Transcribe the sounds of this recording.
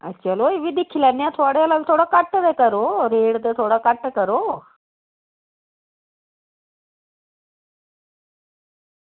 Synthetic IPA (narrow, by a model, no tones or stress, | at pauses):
ə̰t͡ɕaloiʋid̪ikʰilanjãt̪ʰoɽejalaʋit̪ʰoɽakaʈːət̪ekəɾoɾeɽt̪et̪ʰoɽakaʈːəkəɾo